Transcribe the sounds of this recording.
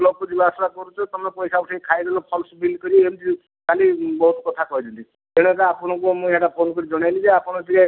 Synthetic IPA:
lokod͡ʒibasɾakɔɾut͡ʃʰɔt̪ɔmɔpɔjsakseikʰajd̪elɔpʰɔlsbilkɔɾiemd͡ʒi | kalibɔɦut̪ɔkɔt̪ʰakɔɦid͡ʒɔnt̪i | eɽ̃ɔkaapɔɽ̃ɔ̃kumũeʈapʰonkɔɾid͡ʒɔɽ̃ajlid͡ʒeapɔɽ̃ɔd͡ʒika

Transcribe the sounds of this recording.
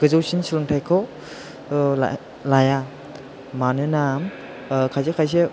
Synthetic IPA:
ɡ̥ɯzɯwsinsɯlɯŋtʰajkʰɔ | la̰ | laja | manɯnam | kʰajzɯkʰajs̬e

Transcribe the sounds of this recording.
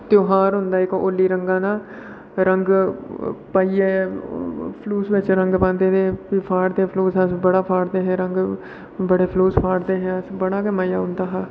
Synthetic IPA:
t̪joːɦaːɾɦʊnd̪aːɪkoːlːiːɾəŋɡãːnãː | ɾəŋɡ | paːiːɛː | pʰluːsʋɪt͡ʃɾəŋɡpãːnd̪eːt̪eːpipʰaːɾd̪eːpʰloːsɛ̃ːsbəɽaːpʰaːɽd̪eːɦɛ̃ːɾəŋɡ | bəɽeːpʰloːspʰaːɽd̪eːɦɛ̃ːəsbəɽaːkemaːjaːɦʊ̃nd̪aːɦaː

